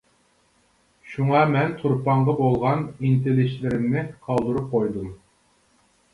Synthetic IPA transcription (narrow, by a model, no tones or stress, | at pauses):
ʃuŋɑmɛnt̪ʰuɾpɑɴʁɑbolˠʁɑnint̪ʰelɪʃlɪɾɪmnɪqʰɑlˠd̪uɾup̚qʰojd̪um